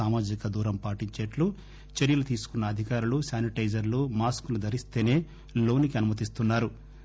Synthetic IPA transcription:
aːmaːd͡ʒikɐd̪uːɾɐmpaːʈiɲt͡ʃeːʈlu | t͡ʃeɾjɐlut̪iːsu̥kunːɐːd̪ʱikaːɾulusaːniʈɐjd͡ʒɐɾlumaːskunud̪ʱɐɾist̪e̞ːne̞ː | lo̞ːnikiɐnumɐt̪ist̪unːaːɾu

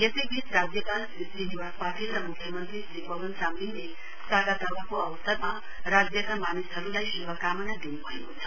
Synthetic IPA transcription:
jesebʱit͡sʰɾad͡zjəka | sisiniʋapaʈilɾamukʰjəmənt̪ɾisipəʋənsamine | saɡat̪aʋakoɐʋsəɾma | ɾad͡zjəkamanisʰəɾulajsiʋakamənad̪inupaekot͡sʰʌ̥

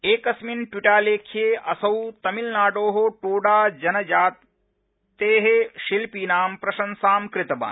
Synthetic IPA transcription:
eːkɐsminʈwiʈaːleːkʰjeːʔɐsɐwt̪ɐmilnaːɖoːɦoʈuːɖaːd͡ʒɐnɐd͡ʒaːt̪ | t̪eːɦeʃilpiːnaːmpɾɐʃɐnsaːmkɾɪt̪ɐba̰ː

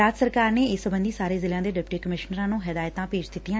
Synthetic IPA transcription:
aːt̪səɾkaːɾneːɪsəbə̃nd̪iːsaːɾeːzɪlãːd̪eːɖɪpʈiːkəmɪʃnəɾãːnũːɦɪd̪aːjt̪ãːpeːd͡ʒd̪ɪt̪ːijãː

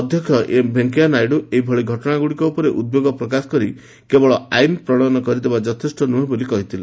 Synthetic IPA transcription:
ɔd̪ʱjɔkʰjɔʔebʱeŋkianajɖueibʱɔɭiɡʱɔʈɔɽ̃aɡuɽikɔupɔɾeʔud̪̚bjoɡɔpɾɔkasɔ̥kɔɾi | kebɔɭɔajnpɾɔɽ̃ɔnɔkɔɾid̪ebad͡ʒɔt̪ʰesʈɔnuɦẽbolikɔɦit̪ʰile

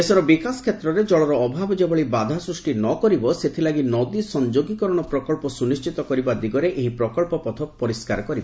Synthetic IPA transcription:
esɔɾɔbikaskʰet̪ɾɔɾed͡ʒɔɭɔɾɔːbʱabɔd͡ʒebɔɭibad̪ʱasɾusʈinɔkɔɾibɔset̪ʰilaɡinɔd̪isɔnd͡ʒoɡikɔɾɔɽ̃ɔpɾɔkɔɭlpɔsunist͡ʃit̪ɔkɔɾibad̪iɡɔɾeʔeɦipɾɔkɔɭpɔpɔt̪ʰɔpɔɾiska̰ɾɔkɔɾibɔ

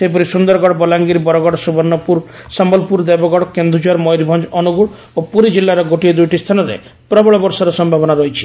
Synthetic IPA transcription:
sep̬ɔɾisund̪ɔɾɡɔɽɔbɔlaŋɡiɾbɔɾɔɡɔɽɔsubɔnːɔpuɾsambɔlpuɾd̪ebɔɡɔɽɔkend̪ʱud͡ʒaɾmɔjɾibʱɔnd͡ʒɔnuɡuɽ | opuɾid͡ʒilːaɾɔɡoʈied̪ujʈist̪ʰanɔɾḛ | pɾɔbɔɭɔbɔɾsɔɾɔsɔmbʱabɔnaɾɔɦit͡ʃʰi̥

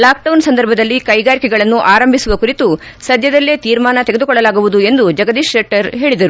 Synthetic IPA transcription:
laːk̚ɖɐwnsɐnd̪ɐɾbʱɐd̪ɐlːikɐjɡaːɾikɛɡɐɭɐnːuʔaːɾɐmbʱisuʋɐkuɾit̪u | sɐd̪ʱjɐd̪ɐlːeːt̪iːɾmaːnɐt̪eɡe̞d̪ukɔɭːɐlaːɡuʋud̪ue̞nd̪ud͡ʒɐɡɐd̪iːʂeʈːɐɾɦe̞ːɭid̪ɐɾu

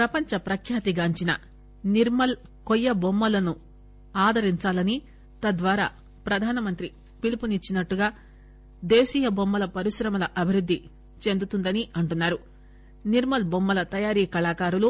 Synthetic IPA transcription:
pɾɐpɐɲt͡ʃɐpɾɐkʰjaːt̪iɡaːɲt͡ʃinɐ̰ | niɾmɐl | kɔjːɐbomːɐlɐnu | aːd̪ʱɐɾiɲt͡ʃaːlɐni | t̪ɐd̪ʋaːɾa̰ː | pɾɐd̪ʱaːnɐmɐnt̪ɾi | pilipunit͡ʃːinɐʈːuɡaː | d̪eːʃiːjɐbomːɐlɐpɐɾiʃɾɐmɐlɐʔɐbʱiɾud̪ʱːi | t͡ʃe̞nd̪ut̪und̪ɐniʔɐɳʈunːaːɾu | niɾmɐlbomːɐlɐt̪ɐjaːɾiːkɐlaːkaːɾulu

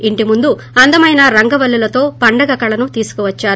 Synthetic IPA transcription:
iɳʈimund̪u | ɐnd̪ɐmɐjnɐɾɐŋɡɐʋɐlːulɐt̪o̞ːpɐɳɖɐɡɐkɐɭɐnut̪iːsu̥kuʋɐt͡ʃːaːɾ

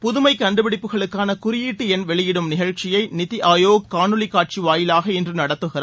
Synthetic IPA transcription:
pʊðʊmɐɪkɐɳɖɯbɪɽɪpːɯɣɐɭɯkːaːnɐkʊrɪjiːʈːɯɛnʋɛɭɪjɪɽɯmnɪɣɐɻt͡ʃɪjɐɪnɪt̪iʔaːjoːɡ̚kaːnɯlɪkːaːʈ̚t͡ʃiʋaːjɪlaːɣɐɛndrɯnɐɽɐt̪ːɯɣɪra

